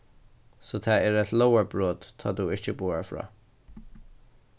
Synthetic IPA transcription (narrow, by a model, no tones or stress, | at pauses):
soːt̪ʰaɛɹɛt̪loʊwaɹbɹoːt̪t̪ʰːa̰t̪uɪht͡ʃəbuːaɹfɹɑ̰ː